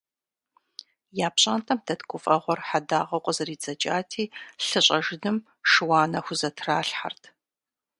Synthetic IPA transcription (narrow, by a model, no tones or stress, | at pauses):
jaːpɕʼaːntʰʼɐmtʰɐtkʷʊfʼɐʁʷɔrħadaːʁɐwqʷʼəzɐriːt͡sʼɐt͡ʃʼaːtʰiːɬɨɕʼɐʒɪdɨm | ʂɨwɑːnɐxʷʊzɐtʰraːɬħa̰rtʰ